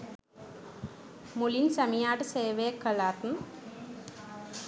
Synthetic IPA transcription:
mulinsɐmijaːʈɨseːʋeːkːɐɭaːt̪n

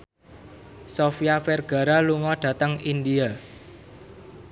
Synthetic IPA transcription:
sofijafɛrɡ̥a̤ɾaluŋɔɖ̥ä̤t̪əŋind̪ia

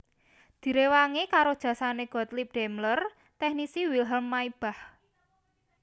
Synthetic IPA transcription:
d̪̥i̤ɾewaŋekaɾod̥ʒ̥ä̤saneɡ̥ɔ̤t̪lip̚ɖ̥ɛmlər | t̪ɛhnisiwilɦəmːaib̥a̤h

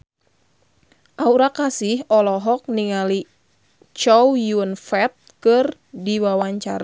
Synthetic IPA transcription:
ʔauɾakasɪhɔlɔɦɔk̚niŋali | t͡ʃɔwjuənfɛt̪̚kɨr | diwawaɲt͡ʃa̰ɾa

